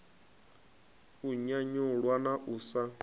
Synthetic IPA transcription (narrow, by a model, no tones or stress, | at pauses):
uɲaɲuɺwanaʔuːsa